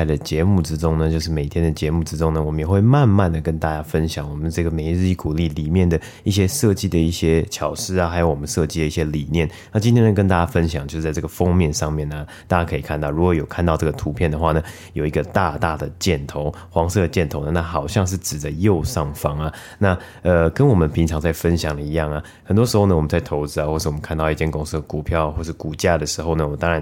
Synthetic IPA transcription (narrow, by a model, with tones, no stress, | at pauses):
ɪd̪ə˩t͡ɕjɛ˧˥mu˥˩ʈ͡ʂɻ̩˥ʈ͡ʂʊ˥ŋnə˨t͡ɕjo˥˧ʊʂ̬ɻ̩˥˩me˨˩ɪt̪ʰjɛ˥nd̪ə˨t͡ɕjɛ˧˥mu˥˩ʈ͡ʂɻ̩˥ʈ͡ʂʊ˥ŋnə˨wɔ˨˩mə˦jɛ˨˩xwe˥˧ɪma˥˧nma˥˨nd̪ə˩kə˥nt̪a˥˧t͡ɕja˥fə˦˥nɕjɑ˨˩ŋwɔ˨˩mə˦nʈ͡ʂɤ˥˩ɡə˩me˧˥ɪɻ̩˥˧i˥˩ku˨˩li˥˩li˨˩mjɛ˥˩nd̪ə˩ | i˥˩ɕ̬jɛ˥ʂɤ˥˧t͡ɕi˥˧d̪ə˨i˥˩ɕjɛ˥t͡ɕʰjɑ˨˩ʊʂɻ̩˥ɐ˨˩xa˧˥ɪjo˧ʊwɔ˨˩mə˦nʂɤ˥˧t͡ɕi˥d̪ə˦i˥˩ɕjɛ˥li˨˩njɛ˥˩nna˥˩t͡ɕi˥nt̪ʰjɛ˥nə˥˩kə˥nt̪a˥˧˩t͡ɕja˥˧fə˦nɕjɑ˨˩˦ŋt͡ɕjo˥˧ʂ̩˥˧t͡sa˧ʈ͡ʂɤ˥˩ɡə˩fɑ˥ŋmjɛ˥˨nʂɑ˥˧ŋmjɛ˥˩nə˩t̪a˥˩t͡ɕa˥kʰɤ˧˥i˨˩kʰa˥˧nt̪ɑ˥˩ʊɻu˧˥kwɔ˧˥jo˨˩ʊkʰa˥˧nt̪ɑ˥˧ʊʈ͡ʂɤ˥˩ɡə˩t̪ʰu˧˥pʰjɛ˥˩nd̪ə˩xwa˥˩nə˩ | jo˨ʊi˧˥ɡə˧t̪a˥˧t̪a˥˩d̪ə˩t͡ɕjɛ˥˩nt̪ʰo˧˥˦ʊ | xwɑ˧˥ŋʂɤ˥˧d̪ə˩t͡ɕjɛ˥˩nt̪ʰo˧˥ʊnə˨˩na˥˩xɑ˨˩ʊɕjɑ˥˧ŋʂ̬ɻ̩˥˩ʈ͡ʂɻ̩˨˩d̪ə˦jo˥˧ʊʂɑ˥˩ŋfɑ˩ŋɐ˨ | na˥˩ | ə˧kə˦nwɔ˨˩mə˦npʰi˧˥ŋʈ͡ʂʰɑ˧˥ŋt͡sa˥˩ɪfə˦nɕjɑ˨˩ŋd̪ə˩i˧˥jɑ˥˩ŋa˩ | xə˨˩nt̪wɔ˥ʂɻ̩˧˥xo˥ʊnə˩wɔ˨˩m˦t͡sa˥˩ɪt̪ʰo˧˥ʊt͡sɻ̩˥a˨xwʂ̩˥˩wɔ˨mə˦nkʰa˥˧nt̪ɑ˥˧ʊi˥˩t͡ɕʰjɛ˥nkʊ˥ŋs̩˥˩d̪ə˨˩ku˨˩pʰjɑ˥˩ʊ˨xwɔ˥˧ʂɻ̩˥˩ku˨˩t͡ɕja˥˩d̪ə˩ʂɻ̩˧˥xo˥˩ʊnə˩wɔ˨mə˦nt̪ɑ˥ŋɻa˧˦n